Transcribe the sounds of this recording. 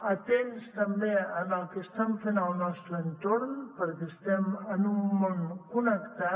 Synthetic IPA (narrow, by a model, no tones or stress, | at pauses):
ət̪enst̪əmbeənəlˠkeəst̪ɛɱfenəlˠnɔst̪ɾəənt̪oɾnpəɾkɛst̪ɛmənumːonkunəkt̪a